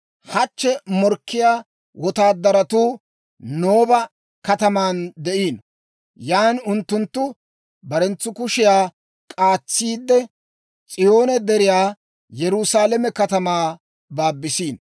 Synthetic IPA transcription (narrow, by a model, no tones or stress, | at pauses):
hɐt͡ʃːɛmɔɾkʰːɪjaː | wʔɔt̪aːd̪ːɐɾɐt̪uː | noːbɐ | kɐt̪ɐmaːnd̪ɛʔiːn | jaːnʊnt̪ːʊnt̪ːʊ | bɐɾɛnt͡sːʊkʊʃɪjaː | kʼaːt͡sːiːd̪ːɛ | t͡sʼɪjo̞ːnɛd̪ɛɾɪjaː | jɛɾʊsaːlɛmɛkɐt̪ɐmaː | baːbːɪsiːn